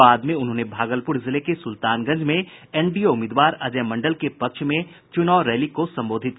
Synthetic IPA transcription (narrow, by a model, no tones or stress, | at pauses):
aːd̪mẽʊnɦõːnebʱaːɡəlpʊɾzɪlekesʊlt̪aːnɡɐ̃ɲd͡ʒmẽ | ɛːnɖioʊmɪːd̪ʋaːɾɐd͡ʒɛːmɐ̃ɳɖəlkepɐkʃʰmẽ | t͡ʃʊnaːɾɛːlikosɐ̃mboːd̪ʱɪt̪̚